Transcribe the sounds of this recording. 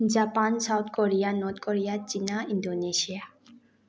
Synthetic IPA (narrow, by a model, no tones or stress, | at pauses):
d͡ʑapansawt̪ʰkoɾijanɔt̪̚koɾijat͡ɕinaindonesia